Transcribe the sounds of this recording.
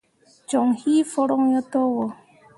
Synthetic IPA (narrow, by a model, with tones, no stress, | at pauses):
t͡ʃɔ˨ŋhi˦fɔ˦ɾɔ˦ŋɲɔ˦tɔ˦wɔ˨